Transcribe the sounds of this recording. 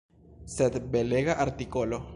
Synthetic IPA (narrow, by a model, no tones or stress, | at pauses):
sed̪beleɣaʔaɾt̪ikolo